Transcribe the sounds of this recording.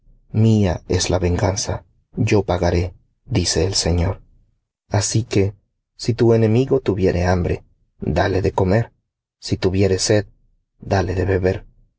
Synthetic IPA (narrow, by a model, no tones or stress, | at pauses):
miaezlaβe̞ŋɡansa | ʝo̞paɣaɾe̞ | ðise̞ːlseɲo̞ɾ | asike̞ | sit̪ue̞nẽ̞miɣo̞t̪uβje̞ɾʔe̞̰ambɾe̞̰ | d̪aleðeko̞me̞ɾ | sit̪uβje̞ɾe̞se̞ð | d̪ale̞ðe̞βe̞βe̞ɾ